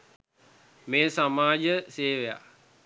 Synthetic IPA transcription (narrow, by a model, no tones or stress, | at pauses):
meːsamaːd͡ʒəseːʋeja̰